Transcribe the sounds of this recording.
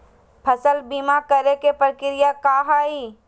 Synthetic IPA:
pʰəsəlbimakəɾekepəɾkɪɾɪjakaːɦaːiː

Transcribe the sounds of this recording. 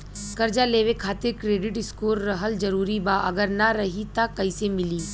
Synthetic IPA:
skəɾd͡ʒaleːʋekʰaːt̪ɪɾkɾeːɖɪʈɪskoːɾːɐɦəld͡ʒɐɾuːɾibaʔɐɡəɾnaɾɐɦit̪akɐisemɪliː

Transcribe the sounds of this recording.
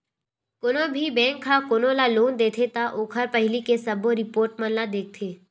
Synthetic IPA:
kʊnobʱibɛ̃ːŋkʰːakonoːlaloːnd̪eːt̪ʰet̪aʔoːkʰəɾpɐɦɪlikesɐboɾɪpoːɾʈmɐ̃nlad̪eːk̚t̪ʰeː

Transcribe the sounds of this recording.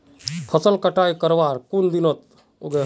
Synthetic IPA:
pʰɐsəlkɐʈaːjkəɾʋaːɾkund̪inət̪̚ | oɡe

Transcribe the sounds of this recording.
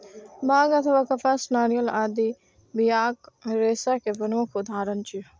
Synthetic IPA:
baːɡɐt̪ʰəʋaːkɐpasnaːɾijəlaːd̪i | bijaːkɾeːsakeʋɐnukʰʊd̪ʱaːɾənt͡ʃi

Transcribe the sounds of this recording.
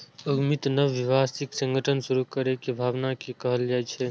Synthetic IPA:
əɡmit̪nəʋːiʋasiksə̃ŋɡʱəʈʰənsuɾukəɾekebʱaːbnakekəɦəld͡ʒajt͡ʃʰɛ

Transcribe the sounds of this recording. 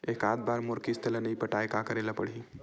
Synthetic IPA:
eːkaːd̪̚baːɾmoɾkist̪ələnəipəʈajkakəɾelapəɽ̤i

